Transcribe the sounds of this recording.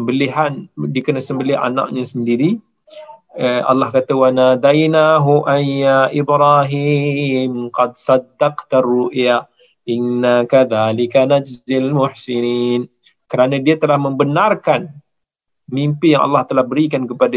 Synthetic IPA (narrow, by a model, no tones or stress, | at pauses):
əbəliɦandikənasəmbəlɪɦa̰na̰ʔɲasəndiɾi | əʔa̰lːɑhkat̪awanad̪ajnaɦuʔajaʔɪbɾaɦimqɑd̪sɑd̪ːɑqt̪aruʔja | ʔɪnːakaðaːlikanad͡ʒɪlalmʊħsiniːn | kəɾanãdiat̪əlahmə̃mbənarkan | mimpijaŋa̰lːɑht̪əlahbəɾikankəpada